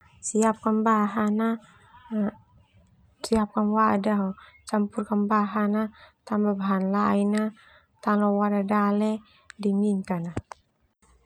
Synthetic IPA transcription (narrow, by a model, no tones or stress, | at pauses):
siap̚kanbaɦana | siap̚kanwadaot͡ʃampurkanbaɦanat̪ambabaɦanlaina | t̪alowaɾadalɛ | dimiŋkana